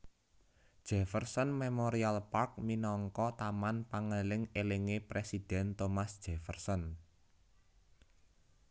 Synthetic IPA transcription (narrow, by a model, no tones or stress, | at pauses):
d̥ʒ̥ɛ̤fərsɔnmemoɾialpark̚minɔŋkɔt̪amanpaŋəlɪŋeleŋepɾesid̥ɛ̤nt̪omasd̥ʒ̥ɛ̤fərsɔn